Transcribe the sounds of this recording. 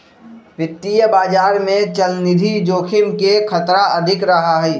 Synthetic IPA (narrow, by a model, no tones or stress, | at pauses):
ʋɪt̪ːijəbaːd͡ʒaːɾmẽt͡ʃəlnɪd̪ʱid͡ʒoːkʰɪnkekʰət̪ɾaəd̪ʱɪkɾəɦaɦɛ